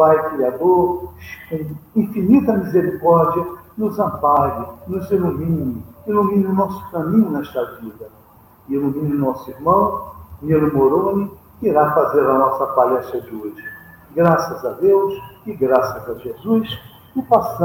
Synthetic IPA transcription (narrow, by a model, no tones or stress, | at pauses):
pajkɾiad̪oɾʃkĩfinit̪ɐmizeɾikɔɾd͡ʒiɐnʊzɐ̃paɡɪnʊzilumĩnɪilumĩnɪʊnɔsʊ̥kɐ̃mĩɲʊnɛʃt̪ɐvid̪ɐ | ilumĩnɪnɔsʊiɾmɐ̃w̃nilɪmoɾõnɪ | kiɾafazeɾɐnɔsɐpalɛst̪ɾɐd͡ʒɪoʒɪ | ɡɾasɐzɐd̪ewsɪɡɾasɐzɐʒezus | ɪpas